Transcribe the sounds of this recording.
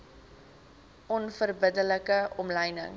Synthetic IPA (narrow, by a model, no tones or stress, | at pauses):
ʔɔnfərbədələkəɔmləjnə̰ŋ